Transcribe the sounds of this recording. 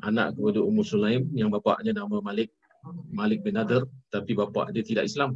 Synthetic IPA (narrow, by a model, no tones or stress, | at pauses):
ʔana̰ʔkəpadaumʊrsulaɪmjaŋbapa̰ʔɲanamãmalɪk̚ | malɪk̚bɛnadərt̪apibapa̰ʔdiat̪ida̰ʔislam